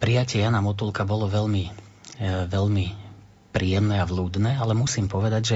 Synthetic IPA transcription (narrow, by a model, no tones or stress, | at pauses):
pɾijacɪɛjanamɔt̪ulkabɔlɔʋɛʎmi | ʋɛʎmi | pɾijɛmnɛaʋluːd̪nɛːalɛmusiːmpɔʋɛd̪aɟʒɛ